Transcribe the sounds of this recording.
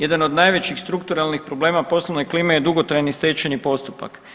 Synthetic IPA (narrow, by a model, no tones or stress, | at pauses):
je̞d̪ano̞d̪najʋe̞t͡ɕixst̪ɾukt̪uɾalnixpɾo̞ble̞ːmapo̞sloʋnekliːmejed̪uɡo̞t̪ɾajnist̪eːt͡ʃenipo̞st̪upa̰k